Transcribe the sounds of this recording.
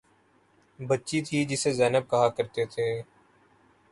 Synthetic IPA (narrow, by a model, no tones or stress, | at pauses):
bətːʃit̪ʰid͡ʒɪsezɛːnəb̚kəɦakəɾt̪et̪ʰeː